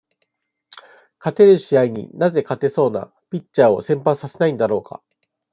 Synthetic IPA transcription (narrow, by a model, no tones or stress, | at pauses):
kat̪e̞ɾɯ̟ɕiaiɲ̟ḭnaze̞kat̪e̞so̞ːna̰ | pʲit͡ɕt͡ɕːaːo̞̰sẽ̞mpãɰ̃sase̞naĩnd̪aɾo̞ːka̰